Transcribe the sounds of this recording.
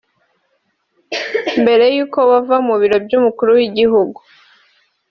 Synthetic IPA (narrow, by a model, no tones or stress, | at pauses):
mbe̞ɾe̞juːko̞wavamuβiɾo̞bɟumukuɾuwiɟiɦuɡu